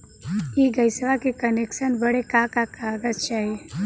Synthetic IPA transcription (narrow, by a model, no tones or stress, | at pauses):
eɡəjsəʋakekənekʃənbəɽekakakaɡətt͡ʃaːɦie